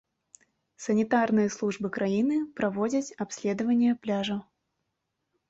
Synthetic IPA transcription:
sɐnʲit̪arnɨjɐslˠuʐbɨkɾʔajinɨpɾavɔd͡zʲɐt͡sʲapsʲlʲɛd̪ɐvɐnʲːjɛplʲaʐɐ

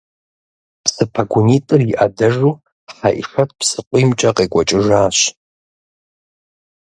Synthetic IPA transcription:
pʰsɨpʰaɡʷʊnitʼɨriʔadɐʐu | ħaʔḭʂat̚ʰʼpʰsɨqʷʼimt͡ʃʼaqʼikʷʼat͡ʃʼɪʐaːɕ

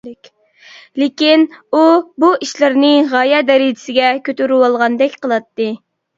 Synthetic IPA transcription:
lekʲinubuiʃlɪɾnɪʁɑjɛd̪ɛɾid͡ʒ̪ɪsɪɡʲɛkʲʰøt̪yɾywɑlˠʁɑnd̪ɛkʲqəlˠɑt̪ːɨ

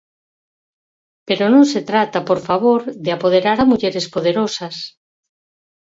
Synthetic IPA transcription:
peɾonõŋset̪ɾat̪apoɾfaβ̞oɾðeapoð̞eɾaɾamuʎeɾespoð̞eɾosas

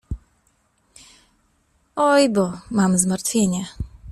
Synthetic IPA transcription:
ɔjbɔmamzmaɾt̪fʲjeɲɛ

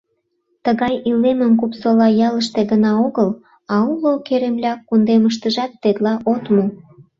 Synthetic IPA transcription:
t̪əɣɑjilemə̆mkupsolɑjɑləʃt̪eɣənɑoɣəl | ɑulokeɾemlʲɑkund̪eməʃ̬t̪əʒɑt̪ːet̪lɑʔot̪mu

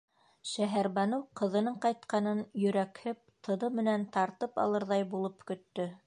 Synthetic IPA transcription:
ʃæɦæɾβɑnowqɤ̆ðɤ̆nɤɴqɑjt̪qɑnɤnjɵ̆ɾækhɘp̚t̪ʰɤ̆nɤmɘ̆nænt̪ɑɾt̪ɤpɑ̰lˠɤɾðɑjbulˠɤpkɵ̆t̪ːɵ

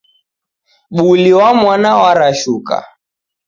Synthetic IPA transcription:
ɓuliwamwanawaɾaʃuka̰

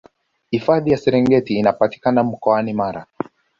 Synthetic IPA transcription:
hifaðijasɛɾɛŋɡɛtiːnapati̥kanam̩kɔanimaɾa̰

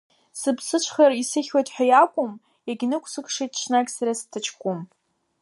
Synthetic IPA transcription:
sɨbsɨt͡ʃʷʰχarisɨχʲwajtʰʼħʷᶣajakʷʼʊm | eɡʲnɨkʷʰsɨkʰʼʂejtʰʼʃʷʰnakʲʼsaɾastʰɨt͡ʃʰkʷʼʊm

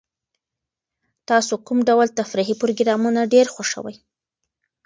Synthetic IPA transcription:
t̪ɑsokumɖawalt̪afɾiɦipɾoɡɾɑmunaɖeɾxoʂə̰wa̰j

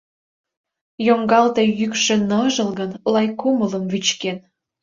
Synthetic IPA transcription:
joŋɡɑlt̪e̽jykʃĕnɤʒə̆lɣənlɑjkumələmβyt͡ɕken

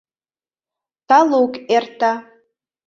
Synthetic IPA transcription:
t̪ɑlokert̪ɑ

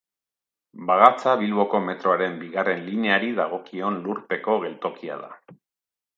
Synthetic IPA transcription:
baɣat͡saβilβo̞ko̞me̞t̪ɾo̞aɾe̞mbiɣare̞nline̞aɾiðaɣ̞o̞kio̞nluɾpe̞ko̞ɣe̞lt̪o̞kia̰ð̞a̰

